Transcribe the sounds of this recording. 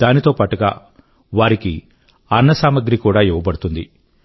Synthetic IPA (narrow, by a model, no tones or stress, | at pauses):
d̪aːnit̪o̞ːpaːʈuɡa̰ː | ʋaːɾiki | ɐnːɐsaːmɐɡɾikuːɽaːiʋɐbɐɽut̪und̪i